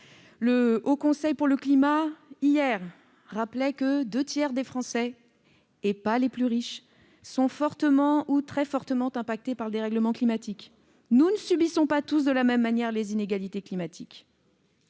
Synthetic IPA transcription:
ləokɔ̃sɛjpuʁləklimaijɛʁː | aplɛkəd̪øt̪jɛʁd̪efχɑ̃sɛː | paleplyʁiʃ | sɔ̃fɔʁt̪əmɑ̃ut̪χɛfɔʁt̪əmɑ̃t̪ɛ̃pak̚t̪epaʁd̪eʁɛɡləmɑ̃klimat̪ik | nunəsybisɔ̃pat̪usd̪əlamɛmːanjɛʁlezineɡalit̪eklimat̪ʰik

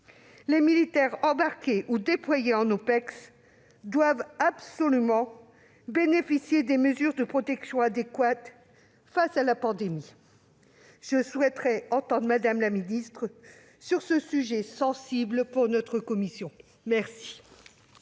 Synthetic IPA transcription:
lemilit̪ɛʁɑ̃baʁkʲeʔud̪eplwajeɑ̃nopɛks | d̪wavabsɔlymɑ̃ | benefisjed̪eməzyʁd̪əpχɔt̪ɛksjɔ̃ad̪ekwat̪ | fasalapɑ̃d̪emi | ʒ̥əswɛt̪χɛɑ̃t̪ɑ̃d̪ʁmad̪amlaminist̪χə | syʁsəsyʒɛsɑ̃sibləpuʁnɔt̪χəkɔmisjɔ̃ | mɛʁsi̥

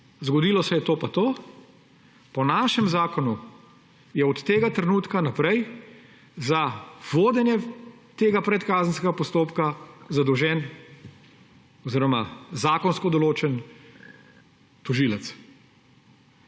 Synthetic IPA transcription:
zɡɔd̪iːlɔsɛjɛt̪oːpat̪oː | pɔnaːʃɛmzaːkɔnu | jɛɔt̪ːeːɡat̪ɾɛnuːt̪kanapɾɛj | zaʋoːd̪ɛnjɛt̪eːɡapɾɛt̪kaːzənskɛɡapɔst̪oːpkazad̪ɔwʒɛn | ɔziːɾɔmazaːkɔnskɔd̪ɔloːt͡ʃɛn | t̪uʒilɛt̪s

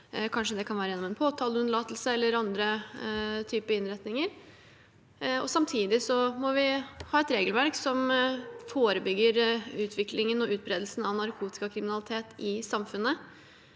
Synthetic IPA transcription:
kʰɑnʂəd̪ɛkʰɑnʋæːɾəjɛnɔmɛnpʰoːt̪ʰɑːləʉnəɭɑːt̪lsəɛlːəɾɑnd̪ɾə | t̪ʰyːpəɪnɾɛt̪nɪŋəɾ | ɔ̰sɑmt̪ʰiːd̪ɪsɔmɔʋɪhɑːɛt̪ɾeːɡəlʋæɾksɔmfoːɾəbʏɡːəɾʉːt̪ʰʋɪklɪŋənɔʔʉːt̪̚bɾeːd̪lsn̩ɑʋnɑɾkʰuːt̪ɪ̥kɑkʰɾɪmɪnɑlɪt̪ʰeːt̪ɪsɑmfʉnːə

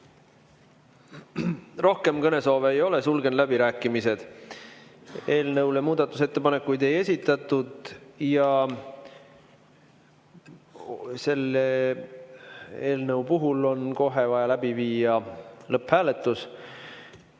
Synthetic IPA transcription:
ro̞hke̞mkɤne̞so̞ːveːjo̞le̞sulɡe̞nlæbiɾæːkːˑimise̞d̪̥ | e̞ːlnɤwljɑmuːd̪̥ɑt̪ːˑuse̞t̪ːepɑnekːˑujd̪e̞je̞sʲit̪ːˑɑt̪ːˑud̪̥jɑ | se̞lːe | eːlnɤwpuɦulo̞nko̞ɦevɑjɑlæbiviːjɑlɤphæːle̞t̪ːˑus

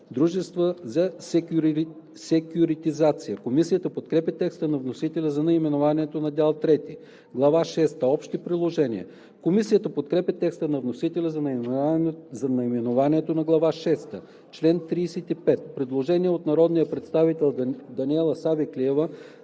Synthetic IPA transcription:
d̪ɾuʒɛst̪vəzɐsɛɾ | sɛkʲjʊɾit̪izat̪sijəkomisijət̪əpot̪kɾɛpʲɛt̪ɛkst̪ənɐvnosit̪ɛlʲɛzɐnɐimɛnovaniɛt̪onɐd̪ʲalˠt̪ɾɛt̪i | ɡlˠɐvaʃɛst̪əɔpʃt̪ipɾid̪lˠoʒɛnḭə̰ | komisijət̪əpot̪kɾɛpʲɛt̪ɛkst̪ənɐvnosit̪ɛlʲɛzɐn | zɐnɐimɛnovaniɛt̪onɐɡlˠɐvaʃɛst̪ə | t͡ʃlɛnt̪ɾiːsɛt̪ipɛt̪pɾɛd̪lˠoʒɛniɛot̪nɐɾɔd̪nijəpɾɛt̪st̪avit̪ɛlʲˠd̪ɐniɛlˠəsavikliɛvə

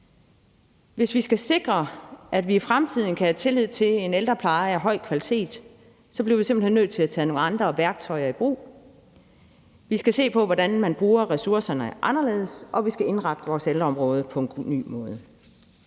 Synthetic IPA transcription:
ʋe̝sʋisɡ̥æse̝ɡ̥ʁɐʔæd̥ʋiːfʁamt͡sʰið̞̰ˠn̩kʰæhæt͡sʰe̝lið̞̰ˠt͡sʰe̝le̝neld̥ʁɐpʰlɑ̈ɪæɦɒ̽ɪ̰kʰʋælit͡sʰe̝̰ːd̥ | sɒ̽b̥liɐʋise̝mbl̩henːøð̥ˠt͡sʰe̝læt͡sʰɛ̰ːno̝ːŋl̩ɑ̈nd̥ʁɐʋæɐɡ̥t͡sʰɒ̽ɪɐib̥ʁṵː | ʋisɡ̥æse̝̰ːpʰɒ̽ʋɒdænmænb̥ʁuːɐʁɛsuɐsɐnəʔɑ̈nɐle̝̰ːðˠəsʔɒ̽ʋisɡ̥æe̝nʁɑ̈ɡ̥̚d̥əʋɒːseld̥ʁɐɒ̽mʁɔ̽ːð̞ˠəpʰɒ̽e̝nɡ̥ny̰ːmɔ̽ːð̞ˠə

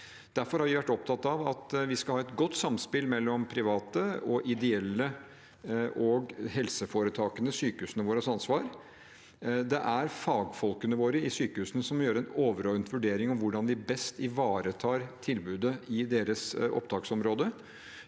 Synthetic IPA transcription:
d̪̥æɾfɔɾhɑɾʋɪʋæʈːɔp̚t̪ʰɑt̪ːɑʋɑt̪ʋɪskɑlhɑːɛt̪ɡɔt̪ːsɑmspɪlmɛlːɔmpʰɾɪʋɑːt̪əɔʔɪd̪ɛɛlːə | ʔɔɡhɛlsəfoːɾət̪ʰɑːkənəsyːkəhʉːsənəʋoːɾəsɑnsʋɑːɾ | d̪ɛʔæɾfɑːɡfɔlkənəʋoːɾəɪsyːkəhʉːsənəsɔmjøːɾəɛnoːʋəɾɔʋənt̪ʰʋʉɖeːɾɪŋɔmʋʊɖɑnʋɪbɛst̪ɪʋɑːɾət̪ʰɑːɾt̪ʰɪlbʉːd̪əɪd̪eːɾəsɔ̰pd̪ɑːksɔmɾoːd̪ə

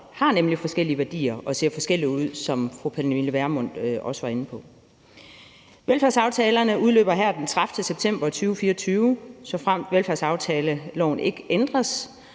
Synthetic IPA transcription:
hɑ̈nemlifɒ̽sɡ̥el̰iəʋæɐd̥ḭːɐʔɒ̽se̝ɐ̰fɒ̽sɡ̥el̰iuð̞̰ˠsɒ̽mfʁupʰenʋiləʋæɐmɔ̽n̰d̥ɒ̽səʋɑ̈e̝nəpʰɒ̽ | ʋelfæɐsɑ̈ʊt͡sʰɛːlɐnəʔuð̞ˠlø̰ːb̥ɐɦæɐ̰d̥ent͡sʰʁafd̥əseb̥̚t͡sʰem̰b̥ɐt͡sʰyːʊfiːɒt͡sʰyːʊsɒ̽fʁam̰d̥ʋelfæɐ̰sɑ̈ʊt͡sʰɛːləlɒ̰ʊ̰n̩e̝ɡ̥əʔend̥ʁɐs

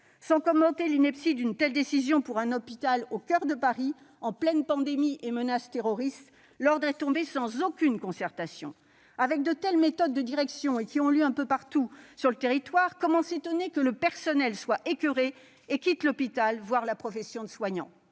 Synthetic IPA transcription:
sɑ̃kɔmɑ̃t̪elinɛpsid̪ynt̪ɛld̪esizjɔ̃puʁɛ̃nɔpit̪alokʲœʁd̪əpaʁi | ɑ̃plɛnpɑ̃d̪emiʔemənast̪eʁɔʁist̪ | lɔʁd̪ʁɛt̪ɔ̃besɑ̃zokʲynkɔ̃sɛʁt̪asjɔ̰̃ | avɛk̚d̪ət̪ɛlmet̪ɔd̪ːəd̪iʁɛksjɔ̃ekʲiɔ̃ljøɛ̃pøpaʁt̪usyʁlət̪eʁit̪waʁkɔmɑ̃set̪ɔnekələpɛʁsɔnɛlswaʔekʲyʁe | ekʲit̪lɔpit̪alvwaʁlapχɔfɛsjɔ̃d̪əswaɲɑ̰̃

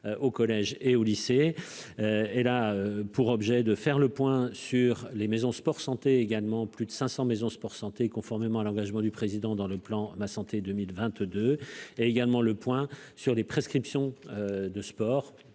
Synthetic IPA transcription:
ʔokɔlɛʒeolise | øelaøpuʁɔbʒɛd̪əfɛʁləpwɛ̃syʁlemezɔ̃spɔʁsɑ̃t̪eːɡalmɑ̃plyd̪əsɛ̃sɑ̃mezɔ̃spɔʁsɑ̃t̪ekɔ̃fɔʁmemɑ̃alɑ̃ɡaʒmɑ̃d̪ypχezid̪ɑ̃d̪ɑ̃ləplɑ̃masɑ̃t̪ed̪ømilvɛ̃t̪d̪øeeɡalmɑ̃ləpwɛ̃syʁlepχeskχipsjɔ̃ød̪əspɔːʁ

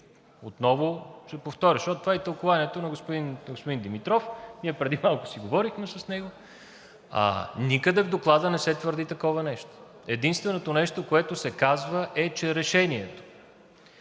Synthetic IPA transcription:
ot̪nɔvʊʃɛpoft̪ɔɾʲəʃɔt̪t̪ovaɛt̪əlˠkovaniɛt̪onɐɡospʊd̪inɡospʊd̪ind̪imit̪ɾɔfniɛpɾɛd̪imalˠkʊ̥siɡovɔɾixmɛsɐsnɛɡo | a̰nikəd̪ɛvd̪oklˠad̪ənɛsɛt̪vəɾd̪it̪ɐkɔvənɛʃt̪o̥ | ɛd̪inst̪vɛnot̪onɛʃt̪okoɛt̪ʊsɛkazvəʔɛt͡ʃɛɾɛʃɛniɛt̪o̥

